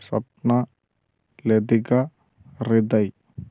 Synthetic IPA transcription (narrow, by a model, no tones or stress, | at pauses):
sɐ̰p̚na | led̪iɡa | ɾɪd̪aj